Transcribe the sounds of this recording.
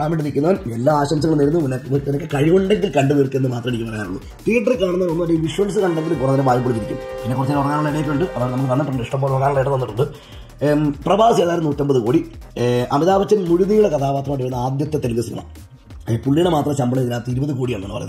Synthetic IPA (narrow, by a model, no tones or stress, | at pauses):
aːmeɳɖiɾikʲːunːɐʋɐnelːaːaːɕɐmsɐŋːɐɭnːɐɾunːumunːenɐkːɨkɐɻiʋoɳɖeŋɡilkɐɳɖɨnirkːenːɨmaːt̪rɐmeɽikʲːumpɐrɐjaːnṵɭːṵ | t̪iːʈːɐrikaːɳunːɐnonːuɐdiʋiʂʋɐls̬ɨkɐɳːɖeŋɡilɨkurɐnːɐnɐmʋaːjp̬ːoɽitːiɾikʲːṵmpinːekurɐt͡ɕːilːurɐkːaːnuɭːɐiɽɐjikːluɳɖɨʔɐðaːnɐmːɐkːɨkɐɳːiʈːɐmːiʂʈɐmboːɭɐkːaːnuɭːɐiɽɐt̪ːɐnːiʈːuɳɖɨ | prɐbaːʋɐseːðaːjɾɐnuːtːɐmbɐðɨkuːɽi | ɐmiðaːʋɐt͡ɕːɐnmuɻuðijuɭekɐt̪ʰaːpaːt̪rɐmɐːɖiʋɐɾunːɐaːd̪jɐt̪ːɐt̪elkɐsinɐ̰ɳɐ̰ | puɭːiɳɐmaːt̪rɐmɕɐmbɐɳɐiðilaːt̪ːiɾubɐðɨkuːɽijɐːɳːnːɐnːɨpɐ̰junː